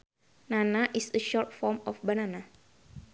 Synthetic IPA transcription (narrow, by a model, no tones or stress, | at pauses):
nanaʔisəʃɔɹt̪fɔɹmɔfbanana